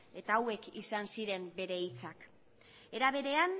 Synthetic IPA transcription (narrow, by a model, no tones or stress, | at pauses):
e̞t̪aːwe̞kḭsansiɾe̞mbe̞ɾe̞it͡sak | e̞ɾaβ̞e̞ɾe̞an